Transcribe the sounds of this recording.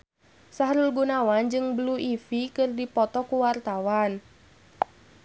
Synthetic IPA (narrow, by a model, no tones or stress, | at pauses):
saɦɾulɡunawand͡ʒɨŋbluʔifikɨrdipɔt̪ɔkuwart̪awan